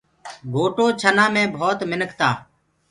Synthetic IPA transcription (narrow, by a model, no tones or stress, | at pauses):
ɡʱoːʈoːt͡ʃʰənãːmẽːbʱoːt̪mɪnəkʰt̪aː